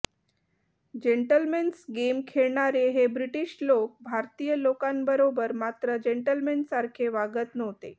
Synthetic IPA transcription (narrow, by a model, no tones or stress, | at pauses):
d͡ʑeɳʈəlmensɡemkʰeɭɳaɾeɦebɾiʈiɕlok̚bʱaɾt̪ijəlokãnbəɾobəɾmat̪ɾəd͡ʑeɳʈəlmensaɾkʰeʋaɡət̪nəʋt̪e